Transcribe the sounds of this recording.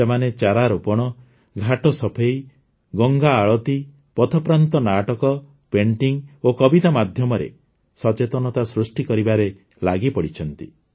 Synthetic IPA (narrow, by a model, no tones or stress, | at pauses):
semanet͡ʃaɾaɾupɔɽ̃ɔ | ɡʱaʈɔsɔpʰej | ɡɔŋɡaːɭɔt̪i | pɔt̪ʰɔpɾant̪ɔnaʈɔkɔ | peɳʈiŋokɔbit̪amad̪ʱjɔmɔɾḛ | sɔt͡ʃet̪ɔnɔt̪asɾusʈikɔɾibaɾe | la̰ɡipɔɽit͡ʃʰɔnt̪i